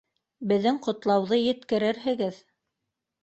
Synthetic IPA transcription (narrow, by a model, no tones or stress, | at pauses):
bɘ̆ðːɘŋqŏt̪lˠɑwðɤjɘ̆t̪kɘ̆ɾɘɾɦɘ̆ɡɘð